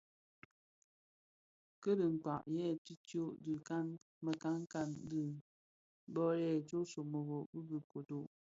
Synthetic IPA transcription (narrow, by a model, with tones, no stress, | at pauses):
kə˦də˨ŋ̩˨k͡pa˨ʔjɛ˦˨ti˦tjo˦ʔdɨ˨ka˦n | mə˨ka˦ŋ˦ka˦ndɨ˦˨˦ | bɔ˦jɛ˦˨t͡ʃo˦so˨mo˨ɣo˨bɨ˦bɨ˨ko˨to˦˨ʔ